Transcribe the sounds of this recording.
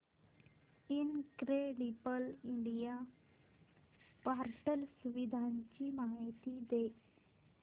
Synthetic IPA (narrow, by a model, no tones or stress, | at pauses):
ɪnkɾeːɖibəlɪɳɖijaː | paːɾʈəlsʊʋɪd̪ʱaːnt͡ʃimaːɪt̪id̪e